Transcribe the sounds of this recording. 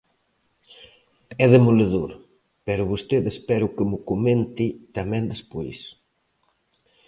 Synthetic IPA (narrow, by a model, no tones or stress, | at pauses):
ɛðemoleðuɾ | pɛɾʊβust̪eðespɛɾʊkemʊkumẽnt̪it̪amɛ̃nd̪espojs